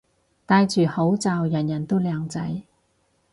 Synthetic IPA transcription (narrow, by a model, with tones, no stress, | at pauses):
t̪aː˧jt͡ʃyː˨˩ho˨˥wt͡saː˨˧wjɐ˨˩njɐ˨˩nt̪o˥wlœː˨˧ŋt͡sɐ˨˥j